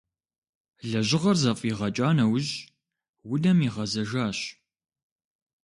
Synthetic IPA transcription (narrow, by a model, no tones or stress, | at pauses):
ɮɐʑɪʁɐrzɐfʼiʁɐt͡ʃʼaːnɐwʑ | wʊdɐmiʁɐzɐʒaːɕ